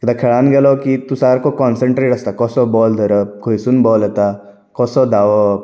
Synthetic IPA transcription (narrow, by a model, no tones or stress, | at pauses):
kɐd̪akʰeɭaːnɡelokit̪usaːɾkokɔnsə̃ɳʈɾeːʈɐst̪akɔsɔbɔːld̪ʱəɾəp̚kʰoisunbɔːlet̪a | kɔsɔd̪aːʋo